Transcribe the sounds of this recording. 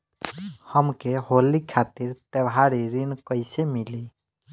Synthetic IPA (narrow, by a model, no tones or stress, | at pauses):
həmkeɦolikʰat̪iɾt̪ebɦaɾiɾinkəjsemili